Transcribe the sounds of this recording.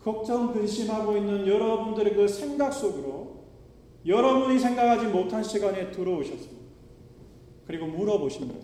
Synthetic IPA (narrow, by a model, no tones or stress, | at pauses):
kʌk̚t͡ɕ͈ʌmpɯnɕʰimɦaɡoinːɯnjʌɾʌbundɯɾekɯsʰe̞ŋɡak̚s͈oɡɯɾo | jʌɾʌbuɲisʰeŋɡakʰad͡ʑimotʰanɕʰiɡane̞tɯɾʌoɕʰʌs͈ɯmɲidi̥a | kɯɾiɡomuɾʌboɕʰimɲida